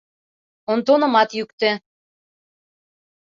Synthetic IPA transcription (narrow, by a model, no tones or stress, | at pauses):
ont̪onɤ̆mɑt̪jykt̪ĕ